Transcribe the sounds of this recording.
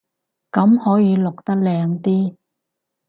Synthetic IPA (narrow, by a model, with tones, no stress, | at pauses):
kɐ˨˥mhɔː˨˥jiː˨˧lʊ˨k̚t̪ɐ˥k̚lɛː˧ŋt̪iː˥